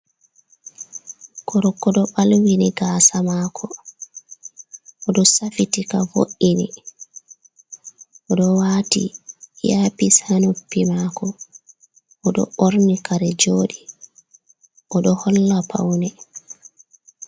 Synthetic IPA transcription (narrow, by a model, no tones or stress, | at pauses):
kɔɾɔkːɔɗɔɓalwiniɡaːsamaːkʰɔ | ʔɔɗɔsafitikavo̰ʔːini | ʔɔɗɔwaːtḭjapisanupːimakɔ | ʔɔɗɔ̰ʔoɾnikaɾɛd͡ʒoːɗi | ʔɔɗɔhɔlːapʰa̰wnɛ